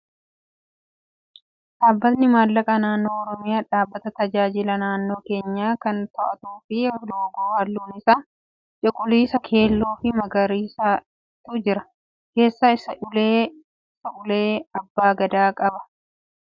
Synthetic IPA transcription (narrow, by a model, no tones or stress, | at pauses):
ᶑaːbːɐt̪nɪmaːlːɐkʼɐnaːnːo̞ːɔɾɔmɪjaːᶑaːbːɐt̪ɐt̪ɐd͡ʒaːd͡ʒɪlɐnaːnːo̞ːke̞ːɲːaːkɐnt̪ɐʔɐt̪uːfɪloːɡuːhɐlːuːnɪsaː | t͡ʃʼɪkʼʊliːsɐkʰe̞ːlːuːfɪmɐɡɐɾiːsa | t̪uːd͡ʒɪɾɐ | ke̞ːsːaːɪsɐʊleː | ɪsɐʊleːɐbːaːɡɐd̪aːkʼɐbɐ̥